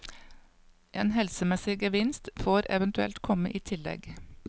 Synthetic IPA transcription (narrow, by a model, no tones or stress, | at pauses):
ʔeːnhɛlsəmɛsɪɡəʋɪnst̪foːɾɛ̰ʋənt̪ʉɛ̰lt̪kʰɔməʔiːt̪ʰɪlɛ̰ɡ